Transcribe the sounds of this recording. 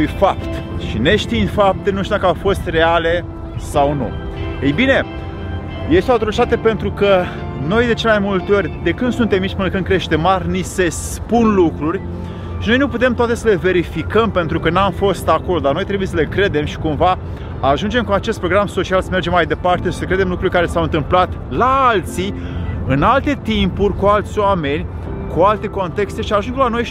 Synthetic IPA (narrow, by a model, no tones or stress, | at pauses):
ujfapt̪ʃine̞ʃt̪infap̚t̪enuʃt̪od̪akafo̞st̪re̞ale̞ | sawnṵ | ejbine̞ | je̞st̪eoat̪ɾot͡ʃit̪at̪e̞pe̞nt̪ɾukə | no̞jd̪e̞t͡ʃelemajmult̪eo̞rʲd̪e̞kɨnd̪sunt̪emːit͡ʃʲpɨnəkɨnd̪kɾe̞ʃt̪e̞marʲnise̞s | punlukɾurʲ | ʃino̞jnuput̪̬e̞mt̪oat̪e̞səle̞ve̞ɾifikəmpe̞nt̪ɾukənamfo̞st̪ako̞lo̞d̪arno̞jt̪ɾebuje̞səle̞kɾe̞d̪e̞mʃi̥kumvaː | ʒund͡ʒe̞mkuat͡ʃe̞st̪pɾo̞ɡɾamso̞t͡ʃialsəme̞rd͡ʒe̞mːajd̪e̞part̪e̞ʃisəkɾe̞d̪e̞mlukɾurʲkaɾe̞sawɨnt̪ɨmplat̪laalt̪si | ɨnalt̪e̞t̪impurʲkualt̪sʲoame̞nʲ | kualt̪e̞ko̞nt̪e̞kst̪e̞ʃiaʒunŋɡlano̞j